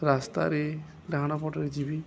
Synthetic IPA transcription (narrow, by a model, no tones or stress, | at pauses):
ɾast̪a̰ɾe | laɦaɽ̃apɔʈɔɾed͡ʒibi